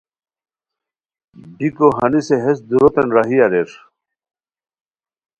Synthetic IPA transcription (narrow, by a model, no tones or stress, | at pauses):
bikoɦɐniseɦesd̪uɾot̪enɾaɦiaɾeɾ